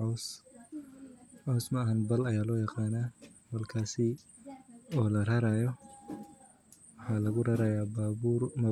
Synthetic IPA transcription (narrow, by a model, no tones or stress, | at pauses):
ɔs | ʕɔwsmɐɐɦɐnbɐlɐjaːlɔːjɑqɑːnaːbɐlkʰaːsɪ | ɔːlɐrɐɾaːjɔ | wɑħɑːlɐɣʊrɐɾɐjaːaumɐ